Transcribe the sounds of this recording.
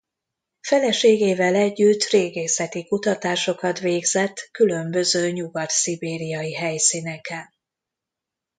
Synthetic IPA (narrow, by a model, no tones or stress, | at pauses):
fɛlɛʃeːɡeːvɛlɛɟːyt̪ːreːɡeːsɛt̪ikut̪ɒt̪aːʃo̞kɒt̪ʋeːɡzɛt̪ːkylø̞mbø̞zøːɲuɡɒt̪sibeːɾijɒjiɦɛjsinɛkɛn